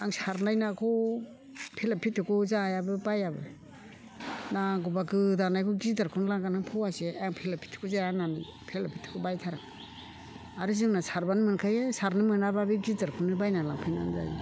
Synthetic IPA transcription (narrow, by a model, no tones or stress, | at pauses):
aŋsaɾnajnakʰɔ | pʰelapʰitʰɯkuzajabɯbajabɯ | naɡubakɯdanajkʰɔɡidaɾkʰɯnlaŋɡanaŋpʰɔwaseaŋpʰilapʰi̥tʰːɯ̥kʰuzajanani | pʰelapʰi̥tʰɯ̥kʰubajtʰaɾaŋ | aɾɯzɯŋnasaɾbanɯmɯnkʰajesaɾnɯmɯnababiɡidaɾkʰɯnɯbajnalaŋpʰina̰nza̰jḛ